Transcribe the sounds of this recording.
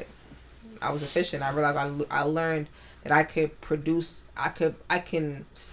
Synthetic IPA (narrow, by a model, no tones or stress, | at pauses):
ʔa̰ɪwʌzɨfɪʃɨ̃ntaɪɹilaɪzaɪʔa̰ɪlɜ̃˞n | ðɨɾaɪkʰɨd̚pʰɹ̥ɨdʉsʔa̰ɪkʰɨd̚aɪkʰɨ̃ns